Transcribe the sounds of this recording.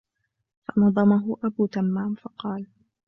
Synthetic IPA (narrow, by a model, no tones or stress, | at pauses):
fɑnɑðˤɑmaɦʊʔabuːt̪amːaːmfɑqɑːl